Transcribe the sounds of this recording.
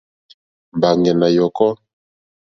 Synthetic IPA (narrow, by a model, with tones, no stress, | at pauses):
m˨ba˨ŋɡɛ˨na˨jɔ˨kɔ˦